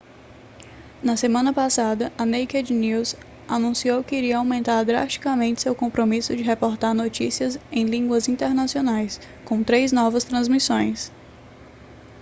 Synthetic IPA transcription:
nɐsemɐ̃nɐpasad̪ɐʔɐnejkɛd͡ʒniwz | anũsiowkɪiɾiɐawmẽnt̪aɾd̪ɾa̰ʃt͡ʃi̥kɐmẽnt͡ʃɪ̥sewkõmpɾomisʊd͡ʒɪɦepoɾt̪aɾnot͡ʃisiɐzẽj̃lĩŋɡwɐzĩnt̪eɾnasionajs | kõw̃t̪ɾejznɔvɐst̪ɾɐ̃zmisõj̃s

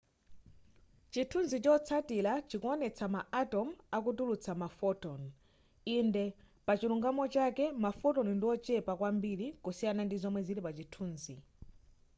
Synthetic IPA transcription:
t͡ʃitʰunzit͡ʃɔt͡sʰatilat͡ʃikuɔnɛt͡sʰamaʔatɔmakutulut͡sʰamafɔtɔn | indɛ | pat͡ʃiɾuŋɡamɔt͡ʃakɛmafɔtɔnndiɔt͡ʃɛpakwambiɾikusijanandizɔmwɛziɾipat͡ʃitʰuːnzi

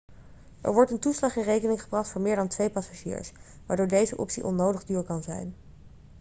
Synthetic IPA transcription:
ɛ̰ɹʋɔɹtəntuslɑχɪnrejkənɪŋχəbrɑχtfʊːɹmɪːɹdɑntʋejpɑsaʒḭːɹs | ʋaːɹdʊːɹdejzəʔɔ̰psḭʔɔ̰nowdəχdyːɹkɑnzɛ̰jn

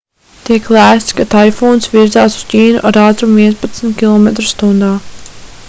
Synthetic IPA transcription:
t̪iɛklæːst̪skat̪alfɔːnsviɾzaːsu̥z̥ciːnuʔaɾaːt̪ɾumviɛnspat̪smt̪kʲilˠɔmɛt̪ɾust̪und̪aː

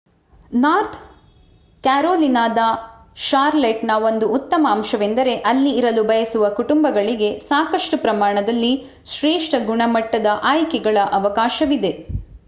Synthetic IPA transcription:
naːɾt̪ʰ | kaːɾoːlinaːd̪ɐ | ʃaːɾleʈnɐʋo̞nd̪uːt̪ːɐmɐːmʃɐʋe̞nd̪ɐɾe̞ʔɐlːiːɾɐlubʱɐjɐsuʋɐkuʈumbɐɡɐɭiɡe̞saːkɐʂʈupɾɐmaːɳɐd̪ɐlːi | ʃɾeːʂʈɐɡuɳɐmɐʈːɐd̪ɐʔaːjkɛɡɐɭɐʔɐʋɐkaːʃɐʋid̪e̞

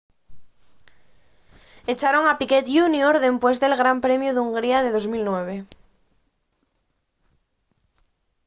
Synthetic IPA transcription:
et͡ʃaɾo̞ŋapiket̪ʝunjoɾðe̞mpwe̞zðe̞lɣɾampɾe̞mjuðuŋɡɾiaðeðo̞zmilnwe̞β̞e

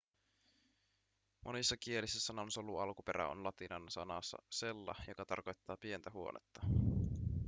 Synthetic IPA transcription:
mʔonisːɑkie̞lisːæsːɑnonsoluɑlkupeɾæ̰o̰nlɑt̪inɑnsɑnɑ̰sːɑ̰se̞lːɑ̰jokɑt̪ɑ̰rko̞jt̪ːɑːpie̞nt̪æɦuo̰nʔḛt̪ːɑ

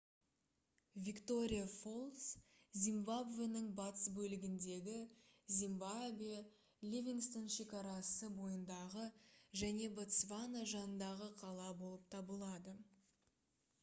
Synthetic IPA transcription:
vʲikt̪o̞ɾʲijafo̞lˠs | zʲimbabve̞nəɴbɑt̪əsbɵlɪɡʲɪnd̪e̞ɡʲɪzʲimbav | lʲevʲiŋst̪onʃe̞kɑɾɑsəbo̞jənd̪ɑʁəʒæne̞bot̪svanaʒɑnənd̪ɑʁəqʰɑlˠɑbo̞lˠəp̚t̪ʰɑbəlˠɑd̪ə

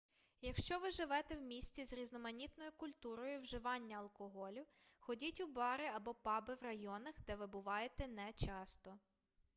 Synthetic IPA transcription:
jɐkʃt͡ʃɔʋɪʒɪʋɛt̪ɛwmʲisʲt͡sʲizɾʲiznɔmɐnʲit̪nɔjʊkʊlʲt̪uɾɔjʊwʒɪʋɑnʲːɐɐlˠkɔɦɔlʲʊ | xɔdʲitʲubɑɾɪɐbɔpɑbɪwrɐjɔnɐxd̪ɛʋɪbʊʋɑjet̪ɛnɛt͡ʃɑst̪ɔ

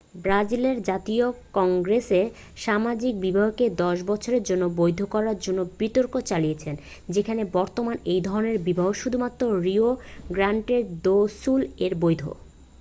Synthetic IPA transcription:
bɾad͡ʑileɾd͡ʑat̪iokɔŋɡɾese | ʃamad͡ʑik̚bibʱaɦoked̪ɔʃbɔt͡ɕʰoɾeɾd͡ʑonːobojd̪ʱokɔɾaɾd͡ʑonːobit̪oɾkot͡ɕaliet͡ɕʰen | d͡ʑekʰanebɔɾt̪omanejd̪ʱɔɾoneɾbibʱaɦoʃud̪ʱumat̪ːɾoɾioɡɾaɳʈeɾd̪osuleɾbojd̪ʱo̰

